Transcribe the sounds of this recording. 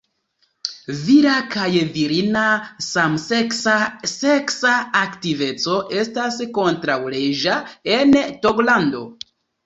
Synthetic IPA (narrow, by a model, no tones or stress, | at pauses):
viɾakajviɾinasamseksaseksaːktive̞t͡so̞ʔe̞stasko̞ntɾawleʒaentoklando̞